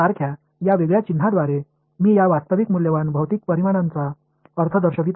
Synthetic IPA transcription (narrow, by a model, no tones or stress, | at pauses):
aɾkʰja | jaʋeɡɭjat͡ɕin̤ːad̪ʋaɾe | miːjaʋast̪əʋikmuljəʋanbʱəʋt̪ik̚pəɾimaɽ̃ãnt͡sa | əɾt̪ʰəd̪əɾɕəʋit̪